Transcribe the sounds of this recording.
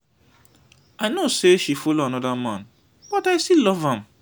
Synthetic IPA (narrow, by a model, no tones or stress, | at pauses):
aɪnoseʃifoloanɔdamãn | b̥ɔtaɪstilɔvãm